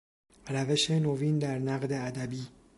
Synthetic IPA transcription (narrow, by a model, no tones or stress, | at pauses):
ɾæve̞ʃe̞noviːnd̪æɾnæɣd̪e̞æd̪æbiː